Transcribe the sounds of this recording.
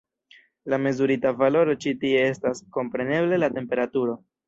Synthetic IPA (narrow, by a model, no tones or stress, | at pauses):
lame̞zuɾitavalo̞ɾo̞t͡ʃitie̞e̞stasko̞mpɾe̞ne̞ble̞late̞mpe̞ɾatuɾo̞